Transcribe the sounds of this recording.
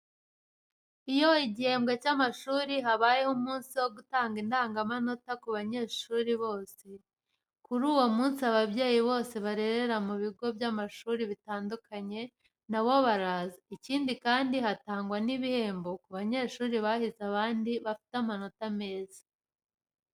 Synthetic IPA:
ijo̞iɟihe̞ːmbɡecamaʃuːɾiɦaβaːje̞humuːnsiwo̞ɡutaːŋɡindaːŋɡamano̞takuβaɲe̞ːʃuːɾiβo̞ːse̞ | kuɾuːwo̞muːnsiaβabɟe̞ːjiβo̞ːse̞βaɾe̞ɾe̞ɾamuβiɡo̞bjamaʃuɾiβitaːndukʰaɲe̞ | naβo̞βaɾaːzaiciːndikaːndiɦataːŋɡwaniβihe̞ːmbo̞kuβaɲe̞ːʃuːɾiβahizaβaːndiβafi̥tamano̞tame̞ːzḁ

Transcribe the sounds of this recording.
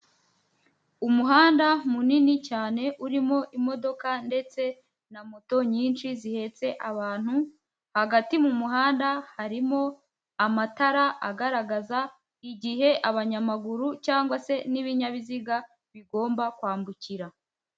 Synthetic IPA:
umuɦaːndamuninicaːne̞ʔuɾimo̞ʔimo̞do̞kande̞t͡se̞ | namoto̞ɲiːnt͡ʃizihe̞t͡se̞ʔaβaːn̥hu | haɡatimumuɦaːndahaɾimo̞ | amataɾaaɡaɾaɡaza | iɟiɦe̞ʔaβaɲamaɡuɾucaːŋɡwase̞niβiɲaβiziɡa | βiɡo̞ːmbakwaːmbuciɾa

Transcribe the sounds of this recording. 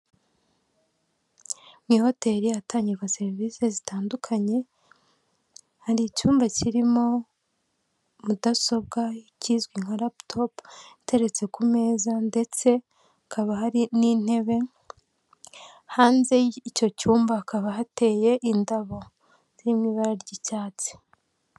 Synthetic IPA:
mŋiːho̞te̞ɾijataːɲɟiɡaseɾvise̞zitaːndukʰaɲe̞ | haɾicuːmbaciɾimo̞ | mudaso̞b̚ɡaciːzɡiŋhoɾaptʰopite̞ɾe̞t͡se̞kume̞ːzande̞t͡se̞ | akaβahaɾinin̥he̞βe̞ | haːnze̞ico̞cuːmbaːkaβahate̞ːje̞ʔindaβo̞ | z̥imiβaɾaɾɟicaːt͡si̥

